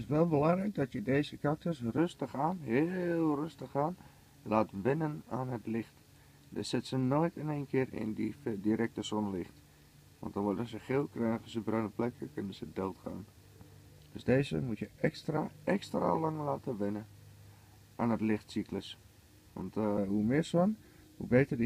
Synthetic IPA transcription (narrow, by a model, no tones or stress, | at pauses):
tɪsʋɛlˠbəlɑŋɾɛjk̚dɔtjədeːzəkak̚təsrøstəxaːnɦɪːlˠrøstəxaːn | laːtʋɪnənaːnətlɪxt | də̰sɪtsənojtənejnkʰɪərɪ̰ndidiɾɛk̚təsonəlɪxt | ʋɔ̰ntdɔnʋɔdəsəxɪːlˠkrɛnəɣəsəbrøːnəplɛkʰəkønənzədɪlˠtxa̰ːn | d̥øsdeːzə̰mutjəɛkstraɛkstra̰lɑŋlaːtəʋɪnə | ʔaːnətlɪxtsikləs | ʋɔ̰ntɦumɪrsɔn | hṵbeːtərd